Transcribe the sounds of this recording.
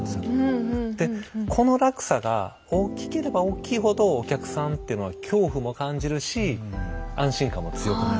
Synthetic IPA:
nd̪esɨjod̪̥e̞kʰo̞no̞ɾakɯ̟̥saɡa̰ | oːkʲi̥ke̞ɾe̞baoːkʲiːɦo̞d̪o̞ːkʲakɯ̟̥sãnt̪e̞iɯ̟no̞βakʲʰo̞ːɸɯ̟mo̞kãɲ̟d͡ʑiɾɯ̟ɕi | ãɰ̃ɕĩŋkãmːo̞t͡sɨjo̞kɯna

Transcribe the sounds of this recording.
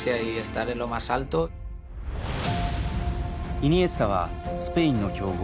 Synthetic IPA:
jaiest̪aɾelo̞masalt̪o | in̟iesɨ̥t̪aβa̰sɨ̥peĩnːo̞kʲo̞ːɡ

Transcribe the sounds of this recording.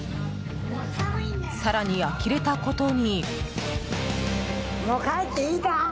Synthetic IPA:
saɾaɲ̟ijakʲiɾe̞t̪ako̞t̪o̞ɲ̟i | mokaet̪ːeiːt̪a

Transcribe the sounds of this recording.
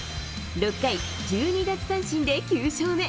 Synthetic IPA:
ɾo̞kːai | d͡ʑɨːɲ̟iɡat͡sɨ̥sãɕĩnd̪e̞kʲɨːɕoːme̞

